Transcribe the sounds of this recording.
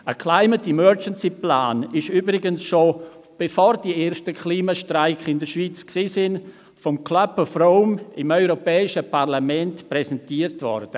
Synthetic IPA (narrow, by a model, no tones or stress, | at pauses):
əkʰlaɪmətimœɾd͡ʒənsiplaːnɪʃyːbɾɪɡənsʃo | b̥efoːɾd̥ieːɾʃtəkʰliːmaʃtraɪkɪndəɾʃviːt͡sksiːsɪn | fɔmkʰlœpəfɾoʊmɪmœʏɾopɛːɪʃəparlamɛntprɛsɛntiəɾtvɔ̰ɾd̥ə